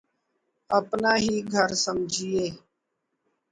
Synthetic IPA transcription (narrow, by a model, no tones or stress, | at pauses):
əpnaːɦiːɡʱəɾsəmd͡ʒʱiːeː